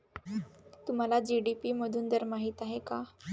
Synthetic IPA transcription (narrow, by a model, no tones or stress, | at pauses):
t̪um̤alad͡ʑiɖipiməd̪ʱuːnd̪əɾmaɦiːt̪aɦeka